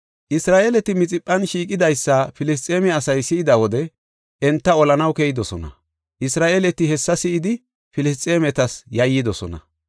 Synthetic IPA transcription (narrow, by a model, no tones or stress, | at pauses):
ʔɪsɾaːʔeːlɛt̪ːɪmɪt͡sʼɪpʼːɐnʃiːkʼɪd̪ɐjsːɐfɪlɪs̬t͡sʼeːmɛɐsɐjsɪʔɪd̪ɐwɔd̪ɛ | ʔɛnt̪ːɐɔlɐnɐwkɛjɪd̪ɔsɔ̰nɐ̰ | ʔɪsɾaːʔeːlɛt̪ːɪhɛsːɐsɪʔɪd̪ɪ | fɪlɪs̬t͡sʼeːmɛt̪ɐsjɐjːɪd̪ɔsɔ̰nɐ̰